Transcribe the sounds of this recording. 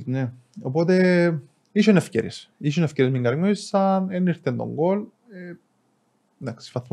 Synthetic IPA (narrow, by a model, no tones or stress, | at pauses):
ne | opot̪e̞ | iʃonefceɾesiʃ̬onefceɾezmiŋɡɐɾɲuisɐneniɾt̪end̪o̰ŋɡol | e | nd̪aksi̥fɐθm